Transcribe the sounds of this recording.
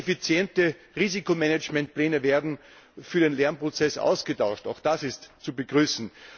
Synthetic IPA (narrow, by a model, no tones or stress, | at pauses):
efit͡sjɛntə | ʁiːzikomɛnət͡ʃmɛ̃nt̚plɛːnəveːɐdn̩ | fyːɐdeːnlɛɐnpʁ̥ot͡sɛsʔa̰ʊsɡ̥ətaʊʃta̰ʊxd̥asɪstt͡subəɡ̥ʁyːsn̩